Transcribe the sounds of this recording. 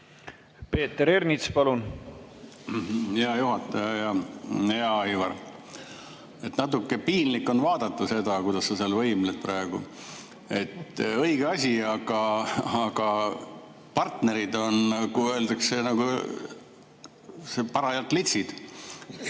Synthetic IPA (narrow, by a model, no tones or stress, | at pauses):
pe̞ːt̪ːeɾernʲit̪spɑlun | heɑjuɦɑt̪ːˑɑjɑjɑheɑɑjvɑr | e̞t̪nɑt̪̬ːˑukːe̞piːnlikːˑo̞nvɑːd̪ɑt̪ːˑuse̞d̪̥ɑkujd̪̥ɑsːɑseɑlvɤimlet̪̚pɾɑeɡ̥u | e̞t̪ːˑɤiɡ̥eɑsʲiɑɡ̥ɑɑɡ̥ɑ | pɑrt̪ne̞ɾid̪o̞nkuø̞ːld̪ɑkse̞nɑɡu | sepɑɾɑjɑlt̪ːˑlet̪sid̪̥